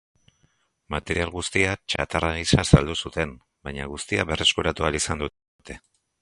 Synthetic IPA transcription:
mat̪e̞ɾialɣust̪iat͡ʃa̰t̪araisasald̪usut̪e̞n | bajɲaɣust̪iaβe̞re̞skuɾat̪ualisand̪u | t̪e̞

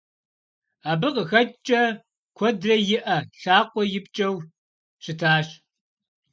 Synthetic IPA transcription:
aːbɨqəxɐt͡ʃʼɐ | kʷʰɔdrɐjɪʔɐɬaːqʷʼɔjɪp̚t͡ʃʼɐw | ɕɪtʰaːɕ

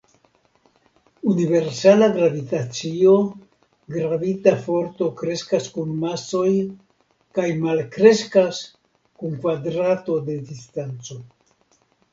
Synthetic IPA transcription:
unive̞ɾsalaɡɾavit̪at͡sio̞ | ɡɾavitafo̞ɾt̪o̞kɾe̞skaskunmaso̞j | kajmalkɾe̞skas | kuŋkvadɾato̞d̪e̞dist̪ant͡so̞

